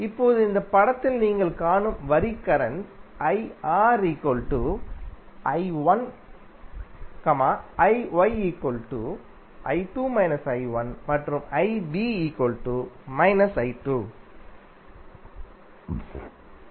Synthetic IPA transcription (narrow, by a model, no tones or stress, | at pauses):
ɪpːoːðɯɪnd̪ɐpɐɽɐt̪ːɪlniːŋɡɐɭkaːɳɯmʋɐɾikɐɾɐɳsɐɪaːɾikoːlʈuː | ʔɐɪʋɐn | kɐmaːɐɪʋɐɪiːkːoːlʈuː | ʔɐ̰ɪʈuːmɐɪnɐsɐɪʋɐnmɐʈrɯmɐɪbiːiːkoːlʈuːmɐɪnɐsɐɪʈuː